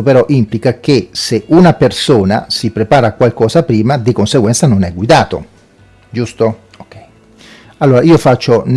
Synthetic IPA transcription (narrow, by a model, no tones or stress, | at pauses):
opeɾɔʔimplikak̟eseunapersoːna̰sipɾepaːɾakwalkɔːzapɾiːmad̪ikonseɡwɛnt̪sanonɛɡwid̪aːt̪o̰ | d͡ʒust̪o | alːoːɾaiːofat͡ʃːon